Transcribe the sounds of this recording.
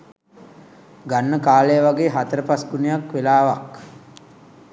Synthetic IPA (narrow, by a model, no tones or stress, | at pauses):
ɡanːəkaːlejəʋaɡeːɦat̪əɾəpasɡunijakʋelaːʋak